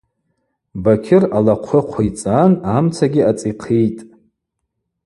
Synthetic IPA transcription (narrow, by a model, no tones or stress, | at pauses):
bakʲʰɪralaqʷʰʊqʷʰait͡sʼanamt͡sʰaɡʲɪat͡sʼiqʰijtʼ